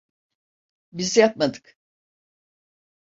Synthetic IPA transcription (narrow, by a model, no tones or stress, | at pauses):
bizjap̚mad̪ɯ̥k